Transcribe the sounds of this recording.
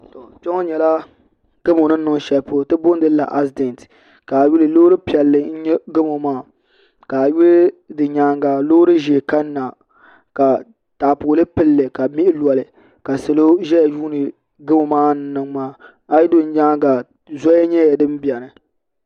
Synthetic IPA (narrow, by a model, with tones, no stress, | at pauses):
to˨t͡ʃɛ˦ŋɔ˦ɲɛ˨la˦ | ɡ̥ɨ˦mo˨nɨ˦ɨ˨ŋ˦ʃɛ˨lpo˦tɨ˦bʊ˦n˦dɨ˦la̰˨ʔa˦sdɛ˨nt | ka˨ɥu˦lɨ˨loː˦ɾɨ˦pi˨ɛ˨lːɨ˦n̩˦ɲɛ˦ɡɨ˦mo˨maː˦˨ | ka˨ju˦ldɨ˨ɲaː˦ŋɡa˨lo˦ɾɨ˦ʒe˨ka˦nː˦a˨ | ka˨ | taː˨poː˨lɨ˦pɨ˦lːɨ˨ka˨mi˦ʔɪ˦lwɔ˨lɨ˨ | ka˨sɨ˨lo˦ʒɛ˦ja˨juː˦nɨ˨ | ɡɨ˦mo˨maː˦n˦nɨ˨ŋmaː˦ | a˦ji˦do˦n̩˦ɲaː˦ɡa˨ | zɔ˦ɛ˦ɲɛ˦jɛ˨dɨ˦m˦bi˨ɛ˨nɨ˨